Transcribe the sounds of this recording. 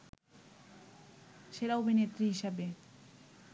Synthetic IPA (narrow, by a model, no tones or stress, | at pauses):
ʃeɾaubʱinet̪ːɾiɦiʃabe